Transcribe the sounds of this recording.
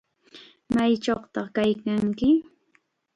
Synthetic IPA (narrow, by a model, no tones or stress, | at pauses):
majt͡ʃoχt̪ɑχkajkaŋkɪ